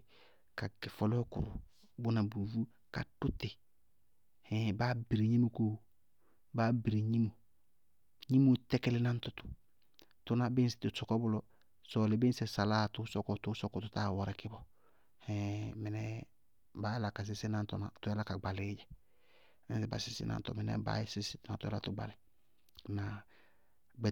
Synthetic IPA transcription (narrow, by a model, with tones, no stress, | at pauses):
ka˨kɪ˨fɔ˦lɔ˦kʊ̰˨ɾṵ˨ | bʊ˦na˨bu˨vu˦ | ka˨tu˦tɪ˨ | hɛ̃˨ba˦bi˨ɾi˨ɲi˦mu˨koː˦˨ | ba˦bi˨ɾi˨ɲi˦mu˨ | ɲi˦mu˦tɛ˦kɛ˦lɪ˦na˦n˦tʊ˦tʊ̥˨ | tʊ˦na˦bɪ˦sɪ̥˨tɪ˨sɔ˨kɔ˦bʊ˦lɔ˦ | sɔ˨lɪ˨bɪ˦n˦sɛ˨sa˨laː˦˨tʊ˦sɔ˦kɔ˦tʊ˦sɔ˦kɔ˦tʊ˦ta˦˨wɔ˨ɾɛ˨kɪ˦bɔ˦ | hɛ̃˨mɛ˨nɛ˦ | ba˦la˨ka˨s̬ɪ˦sɪ˦na˦ntɔ̰˨na̰˨tʊ˦ɛ˦la˦ka˨ɡ͡ba˨lɪ˨˦d͡ʒɛ˨ | mɛ˦nsɛ˨ba̰˨sɪ˦sɪ̰˦nʔa̰˨ntɔ̰˨mɪ˨nɛ̰˨˦ba̰˦sɪ˦sɪ˦tɔ˨na˨tʊ˦ɛ̰˦la̰˦˨tʊ˦ɡ͡ba̰˨lɪ˨ | na˨ | ɡ͡bɛ˨